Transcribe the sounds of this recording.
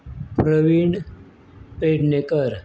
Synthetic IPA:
pɾəʋiɳ | peɖnekəɾ

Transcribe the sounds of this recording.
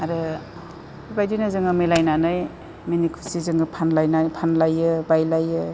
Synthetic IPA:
aɾɯ | bibajdinazɯŋɯmilajnanaj | minikʰusizɯŋɡɯpʰanlajnapʰanlajɯbajlajɯ

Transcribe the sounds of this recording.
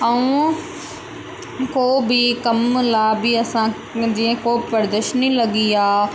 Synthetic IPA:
ɐũ | koːbɪkɐmlaːbɪɐsã | d͡ʑĩːə̃koːpɐɾd̪əʃnilɐɠiaː

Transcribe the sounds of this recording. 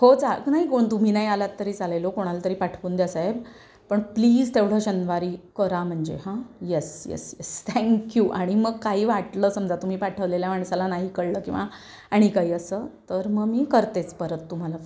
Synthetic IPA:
hot͡saknaɦikoɳt̪um̤iːnaɦiːalat̪ːəɾiːt͡salelokoɽ̃alat̪əɾiːpaʈʰkuːnd̪jasaɦeb | pəɳpliːd͡zt̪eʋɽ̤aɕənʋaɾiːkəɾam̤əɳd͡ʑḛɦãjesjɛ̰sjɛ̰st̪ʰɛ̃ŋkjuʔaɽ̃iməɡ̚kaɦiːʋaʈləːsəmd͡zat̪um̤iːpaʈʰəʋleljamaɳsalanaɦiːkəɽləːkĩʋa | aɽ̃ikaɦiːəsəːt̪əɾməɡmiːkəɾt̪et͡spəɾət̪ːum̤ala

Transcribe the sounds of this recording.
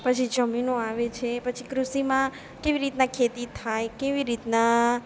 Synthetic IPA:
pət͡ʃʰid͡ʒəminõaʋet͡ʃʰepət͡ʃʰikɾusimã | keʋiɾit̪nakʰet̪it̪ʰajkeʋiɾit̪na

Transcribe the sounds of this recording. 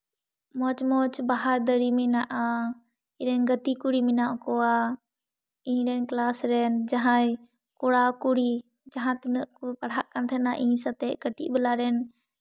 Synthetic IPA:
moːt͡ʃmoːt͡ʃbaɦaɾd̪əɾiminaʔaː | ɪɾɛnɡət̪iːkuɽiːmɪnaːʔkoaː | ĩːɾɛnklaːsɾɛːnd͡ʒəɦãː | kʊɽaːkuɽiː | d͡ʒəɦãːt̪ɪnəʔkopəɽ̤aʔkənt̪ʰɛnaːʔĩsat̪eːʔkəʈḭʔbəlaːɾɛːn

